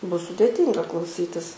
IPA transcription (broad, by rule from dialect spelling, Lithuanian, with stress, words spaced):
ˈbʊs sʊdʲeːˈtʲiːŋɡɐ klˠɐʊˈsʲiːtʲɪs